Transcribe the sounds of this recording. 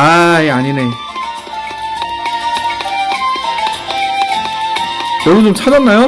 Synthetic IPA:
aeaɲine̞ | jʌɡit͡ɕomt͡ɕʰad͡ʑanːajo

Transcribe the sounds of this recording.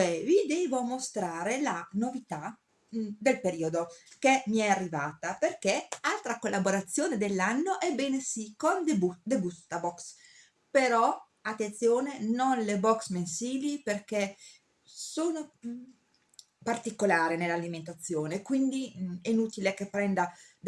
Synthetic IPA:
ɛvid̪eːvomost̪ɾaːɾelanovit̪a | d̪elpeɾiːod̪okemiɛarːivaːt̪aperkealt̪ɾakolːaboɾat̪sːjoːned̪elːanːoʔɛbːeːnesikond̪bud̪ebust̪abɔks | peɾɔ | at̪ːent̪sjoːnenonlebɔksmensiːliperke | soːno | part̪ikolaːɾenelːaliment̪at̪sːjoːnekwind̪iɛnuːt̪ilekepːɾɛnd̪a

